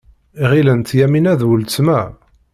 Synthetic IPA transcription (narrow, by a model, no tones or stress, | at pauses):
iʁilənt̪jæminæðwəlt͡smæ